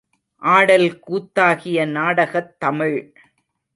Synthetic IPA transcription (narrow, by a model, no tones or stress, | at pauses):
ʔaːɽɐlkuːt̪ːaːɣɪjɐnaːɽɐɣɐt̪ːɐmɪɻ